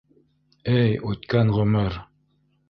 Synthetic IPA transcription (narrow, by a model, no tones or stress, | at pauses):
ɘjʉt̪kænʁɵ̆mɘɾ